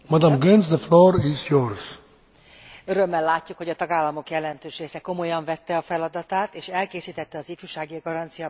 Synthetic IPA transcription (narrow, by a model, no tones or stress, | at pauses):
mad̪ãmɡɛnzd̪əfloːɾizjoɾz̥ | øɾø̞mːɛlːaːcːukhoɟɒt̪ɒɡaːlːɒmo̞kjɛlɛnt̪øːʃreːsɛko̞mo̞jɒɱvɛt̪ːɛɒfɛlɒd̪ɒt̪aːt̪eːʃɛlkeːsiːt̪ɛt̪ːɛɒzifyʃaːɡiɡɒɾɒnt̪sijɒ